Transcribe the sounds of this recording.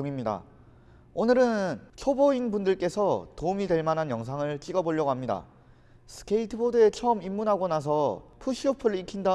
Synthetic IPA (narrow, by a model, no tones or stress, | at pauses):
uŋimɲida̰ | onɯɾɯnt͡ɕʰoboinbundɯɭk͈e̞sʰʌtoumidwe̞ɭmanɦanjʌŋs̬ʰaŋɯɭt͡ɕ͈iɡʌboʎːjʌɡoɦamɲida̰ | sʰɯ̥kʰeitʰɯbodɯe̞t͡ɕʰʌɯmimːunɦaɡonas̬ʰʌpʰuɕʰiopʰɯɭikʰinda